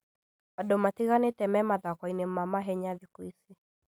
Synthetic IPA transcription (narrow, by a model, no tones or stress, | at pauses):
wadɔmatiɣanetɛmɛmaðakɔinem̩mamaɦɛɲaðikwisi